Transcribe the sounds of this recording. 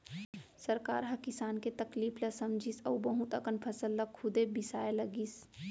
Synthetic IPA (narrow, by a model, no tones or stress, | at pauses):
sɐɾka̰ːɾɦɐkɪsaːnket̪ɐkliːpʰlɐsɐmd͡ʒʱisɐwbəɦũt̪əkənpʰɐsəlːɐkʰːʊd̪ebisaːelɐɡiːs